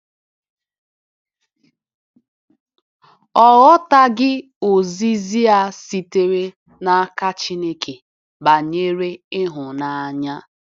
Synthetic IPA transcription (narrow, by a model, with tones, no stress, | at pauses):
ɔ˦˨ɣɔ˦ta˦ɡɪ˦ | o˨zi˦zi˦a˦si˨te˦ɾe˦ | na˦ka˦t͡ʃi˦ne˦kʰe˨ | ba˨ɲe˦ɾe˦ɪ˦ɦʊ˨na˨a˨ɲa˦